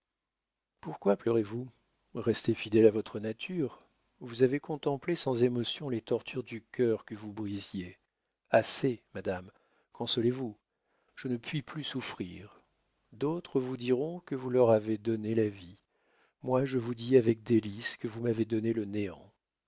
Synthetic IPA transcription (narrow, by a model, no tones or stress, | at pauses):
puʁkwaplœʁevu | ʁɛst̪efid̪ɛlavɔt̪χənat̪ʰyʁ | vuzavekɔ̃t̪ɑ̃plesɑ̃zemɔsjɔ̃let̪ɔʁt̪ʰyʁd̪ykʲœʁkəvubʁizje | asemad̪am | kʰɔ̃sɔlevu | ʒ̥ənəpɥiplysufχiʁ | d̪ot̪χəvud̪iʁɔ̃kəvulœʁaved̪ɔnelavi | mwaʒəvud̪iavɛk̚d̪eliskəvumaved̪ɔneləneɑ̰̃